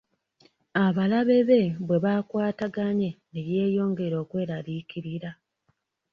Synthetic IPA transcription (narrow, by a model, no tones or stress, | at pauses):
aβalaβe̞βe̞βwe̞βaːkwaːtaɡaɲe̞neje̞ːjo̞ːŋɡe̞ɾo̞ːkwe̞ːɾalikiɾiɾa